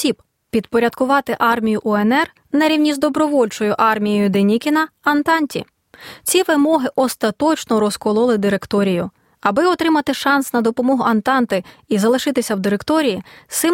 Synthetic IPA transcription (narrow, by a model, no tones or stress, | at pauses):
sʲib | pʲid̪pɔɾʲɐd̪kʊʋɑt̪ɪʔɑrmʲijʊʔɔenɛr | nɐɾʲiwnʲizd̪ɔbɾɔʋɔlʲt͡ʃɔjʊʔɑrmʲijɔjʊd̪enʲikʲɪnɐɐnt̪ɑnʲtʲḭ | t͡sʲiʋɪmɔɦɪʔɔst̪ɐt̪ɔt͡ʃnɔɾɔskɔlˠɔlˠɪd̪ɪɾe̞kt̪ɔɾʲijʊ | ɐbɪɔt̪ɾɪmɐt̪ɪʃɑnsnɐd̪ɔpɔmɔɦʊʔɐnt̪ɑnt̪ɪizɐlˠɪʃɪt̪ɪsʲɐwd̪ɪɾekt̪ɔɾʲijisɪm